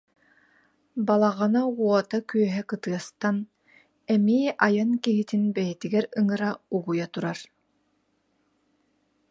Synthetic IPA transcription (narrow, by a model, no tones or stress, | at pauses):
balˠaʁɯnauɔt̪akyœɦɛkɯt̪ɯɐst̪an | ɛmiːʔajankiɦit̪inbɛjɛt̪iɡɛɾɯŋɯɾauɡujat̪uɾaɾ